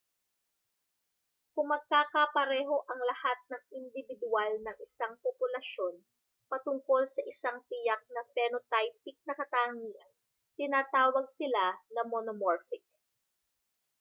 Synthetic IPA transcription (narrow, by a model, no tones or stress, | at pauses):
kʊŋmɐɡ̚kaːkɐpɐɾɛːɦo̞ʔɐŋlɐhat̪̚nɐŋɪnd̪ɪbɪd̪ʊalnɐŋɪsaŋpopʊlɐʃo̞n | pɐt̪ʊŋko̞lsɐʔɪsaŋpɪjak̚nɐfɛnot̪ajp̚ɪk̚nɐkɐt̪aːŋiʔɐ | t̪ɪnaːt̪aːwɐɡ̚sɪlanɐmonomoɹfɪk̚